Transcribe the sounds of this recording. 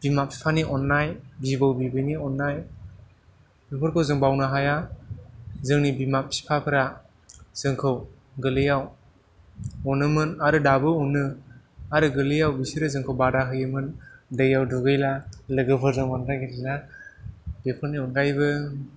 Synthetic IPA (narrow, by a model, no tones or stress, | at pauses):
b̥imapʰi̥pʰaniʔɔnːajbibawbibɯniɔnːaj | bepʰɯɾkʰɯwzɯŋbawnɯɦaja | zɯŋnibimap̚ʰi̥pʰapʰɯɾa | z̥ɯŋkʰɯw | ɡɯlɯjaw | ɔnɯmɯnaɾɯdabɯɔnɯ | aɾɯɡɯlɯjawbisiɾɯzɯŋkʰɯwbadaɦʰɯjɯmɯndɯjawduɡɯjlalɯɡɯpʰɯɾzɯŋɔnɾaɡiɾiza | b̥epʰɯɾniɔnɡajbɯ